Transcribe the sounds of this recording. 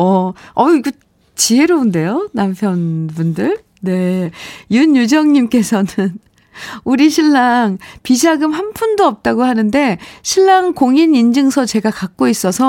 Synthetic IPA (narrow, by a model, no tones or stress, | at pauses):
ʌʌiɡe | t͡ɕiɦe̞ɾounde̞jonampʰjʌnbundɯɭ | ne̞juɲjud͡ʑʌŋɲimk͈e̞sʰʌnɯn | uɾiɕʰiɭːaŋpid͡ʑaɡɯmɦanpʰundoʌp̚t͈aɡohanɯnde̞ɕʰiɭːaŋkoŋinind͡ʑɯŋsʰʌt͡ɕe̞ɡakak̚k͈ois͈ʌsʰʌ